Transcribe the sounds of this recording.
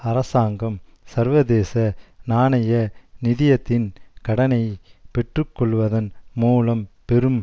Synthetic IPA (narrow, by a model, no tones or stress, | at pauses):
ɐɾɐsaːŋɡɐmsɐɾʋɐðeːsɐnaːnɐjɐnɪðɪjɐt̪ːɪnkɐɽɐnɐɪpɛʈrɯkːɔɭʋɐðɐnmuːlɐmpɛɾɯm